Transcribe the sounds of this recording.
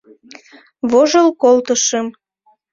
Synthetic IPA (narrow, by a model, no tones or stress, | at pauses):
βoʒəlkolt̪əʃəm